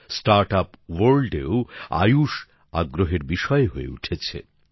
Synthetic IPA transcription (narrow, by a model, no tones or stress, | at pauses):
sʈaɾʈapwoɾlɖeoa̰juʃ | a̰ɡɾoɦeɾbiʃɔeɦoḛuʈʰet͡ɕʰḛ